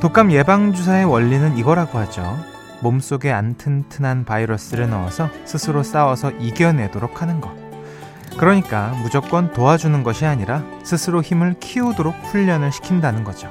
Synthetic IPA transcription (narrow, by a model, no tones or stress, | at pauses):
tok͈amje̞baŋd͡ʑus̬ʰae̞wʌʎːinɯniɡʌɾaɡohad͡ʑo̰ | moms͈oɡe̞antʰɯntʰɯnanpaiɾʌs͈ɯɾɯnawa̰sʰʌsʰɯsʰɯɾos͈awʌsʰʌʔiɡjʌne̞doɾokʰanɯnɡʌ | kɯɾʌɲik͈amud͡ʑok͈wʌntoad͡ʑunɯnɡʌɕʰiaɲiɾa | sʰɯsʰɯɾoçimɯɭkʰiudoɾok̚ɸuʎːʌnɯɭɕʰi̥kʰindanɯnɡʌd͡ʑo